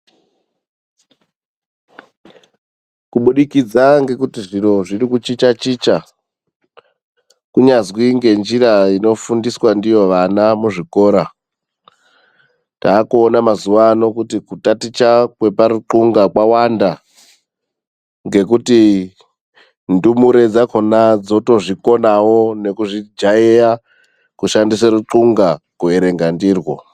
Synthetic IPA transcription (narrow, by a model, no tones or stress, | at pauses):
kuɓuɗikid͡zaŋɡe̞kutiʐiro̞ʐirikut͡ʃit͡ʃat͡ʃiːt͡ʃa | kuɲazwiŋɡe̞nd͡ʒiɾaino̞fundiswandijo̞ʋanamuʐiko̞ːɾa | taːkuonamazuʋano̞kutikutatit͡ʃakwe̞paɾuǃuŋɡakwawanda | ŋɡe̞kuti | ndumuɾe̞d͡zakonad͡zo̞to̞ʐiko̞nawo̞ne̞kuʐid͡ʒaeja | kuʃandisaruǃuŋɡakueɾe̞ŋɡandiːrwo